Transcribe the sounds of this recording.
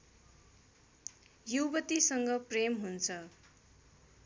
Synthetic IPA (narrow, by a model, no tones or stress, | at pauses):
jubʌt̪isʌŋɡʌpremɦunt͡sʰʌ